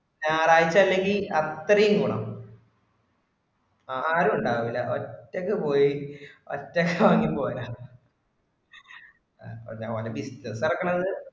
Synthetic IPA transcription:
naːraːjit͡ɕːaːlːe̞ŋɡilɐt̪ːrɐjumkuːɳɐ̰m | aaːɾuuɳɖaːɐʋilːɐʔotːɐkːɨpo̞ːjio̰tːɐkːɨʋaːŋːimpoːjja | ɐrɲa̰ːʋɐlɐbistːɐsirɐkːɐɳɐðɨ

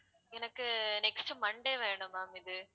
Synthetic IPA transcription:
ɛnɐkːɯnɛksʈɯmɐɳɖeːʋeːɳɖɯmːaːmɪd̪ɯ

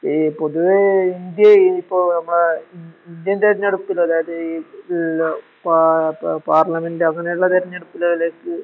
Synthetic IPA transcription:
po̞ðuʋeind̪jɐipːoːnɐmːɐɭeiind̪jɐnt̪ɐɾɐɲːɐɽupːilːɐːðaːjɐðɨ | papaːrlɐmendɨɐŋːɐnejuɭːɐt̪ɐɾɐɲːɐɽupːilːɐðileːkːɨ

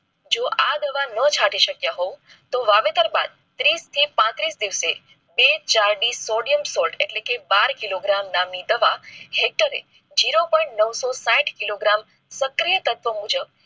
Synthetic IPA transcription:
d͡ʒoʔad̪əʋanət͡ʃʰaʈiʃəkjaɦoũ | t̪oʋaʋet̪əɾba̰d̪̚ | t̪ɾist̪ʰipãt̪ɾisd̪iʋse | bet͡ʃaɾɖisoɖijəmsolʈeʈlekebaɾkiloɡɾamnamnid̪əʋahek̚ʈəɾḛ | d͡ʒiɾopɔɪ̃ʈnəʋsosãʈʰkiloɡɾam | səkɾijət̪ət̪ʋəmud͡ʒəb̚

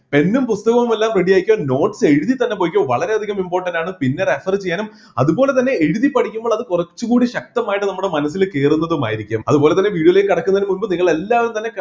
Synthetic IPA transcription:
pe̞nːumpust̪ɐɣɐʋumelːaːmreɽijaːjikʲːoːno̞ːʈse̞ɻuðit̪ɐnːe̞po̞ːjikʲːoːʋɐɭɐɾe̞ɐd̪ʱiɣɐmimboːrʈːɐndaːɳɨpinːe̞refɐrt͡ɕe̞jːaːnum | ɐ̰ðuboːle̞t̪̬ɐnːe̞eɻuðipːɐɽʰikʲːumboːɭɐðɨkurɐt͡ɕːukuːɽiɕɐk̚t̪ɐmaːjiʈːɨnɐmːuɽe̞mɐnɐs̬ːilke̞ːrunːɐðuma̰ːjiɾikʲːa̰ːmɐ̰ðubo̞ːlet̪ɐnːeʋiːɽjɐilejkɐɽɐkːunɐðinmunbɨniŋːɐɭe̞lːaːʋumt̪ɐnːe̞k

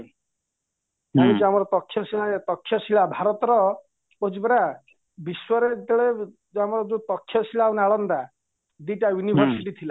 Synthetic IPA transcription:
amit͡ʃiamɔɾɔt̪ɔkʰːjɔsiat̪ɔkʰːjɔsiɭabʱaɾɔt̪ɔɾɔ | od͡ʒibɾa | biswɔɾet̪eɭe | amɔɾɔd͡ʒut̪ɔkʰːjɔsilawnaɭɔnd̪a | d̪iʈajunibʱɔɾsiʈit̪ʰila

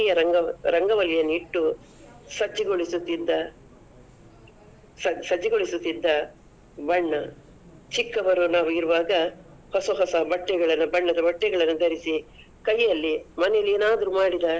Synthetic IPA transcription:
ijɐɾɐɡɐɾɐŋɡɐʋɐlijɐnːuiʈːu | sɐd͡ʒːiɡoɭisut̪ːid̪ːɐ | sɐsɐd͡ʒːiɡoɭisut̪ːid̪ːɐ | bɐɳːɐ | t͡ʃikːɐʋɐɾunaːʋuiɾuʋaːɡɐ | hɔsɐɦɔsɐɐbɐʈːɛɡɐɭɐnːubɐɳːɐd̪ɐbɐʈːɛɡɐɭɐnːud̪ʱɐɾisi | kɐjːɐlːimɐnɛjɐlːeːnaːd̪ɐɾumaːɽid̪ɐ

